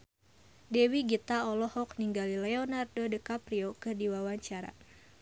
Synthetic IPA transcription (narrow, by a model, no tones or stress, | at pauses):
dɛwiɡit̪aɔlɔhɔkniŋɡalilɛɔnardodəkapɾiokɨrdiwawaɲt͡ʃaɾa̰